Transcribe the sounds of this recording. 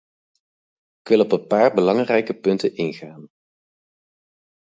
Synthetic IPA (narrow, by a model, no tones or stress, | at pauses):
ɪkʋɪlˠɔpənpaːɹbəlɑŋrɛjkəpɵntənɪnχaːn